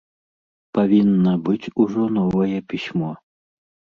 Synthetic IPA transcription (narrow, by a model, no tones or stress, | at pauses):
pavʲinːɐbɨt͡sʲuʐɔnɔvɐjɛpʲisʲmɔ